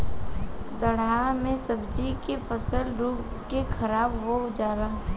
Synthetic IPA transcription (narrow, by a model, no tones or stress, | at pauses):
d̪əɽamẽsəbd͡ʒikefʰəsəlɖʱuːɡ | kekʰɐɾaːbʋoɦd͡ʒaːɡaː